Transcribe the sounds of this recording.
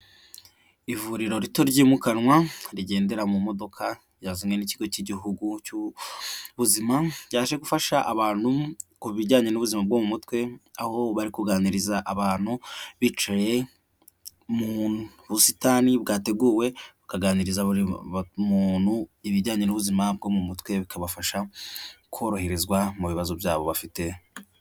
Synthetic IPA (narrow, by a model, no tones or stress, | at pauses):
ivuɾiɾo̞ɾito̞ɾɟiːmukanŋwaɾiɟe̞ːnde̞ɾamumo̞do̞kʰa | jaːzime̞niciɡo̞ciɟiɦuɡucu | βuzimajaːʃeɡufaʃaʔaβaːnhukuβiɟaːɲenuβuzimab̚ɡomumutwe̞aho̞βaɾikuɡaːniɾizaʔaβaːn̥huβit͡ʃaje̞ | mu | βusitaːnibɡaːte̞ɡuːwe̞βukaɡaːniɾizaɾmunhuiβiɟaːɲe̞nuβuzimab̚ɡo̞ːmumutkwe̞βikʰaβafaʃakuo̞ɾoheɾizɡwamuβiβazobjaːβo̞βafite̞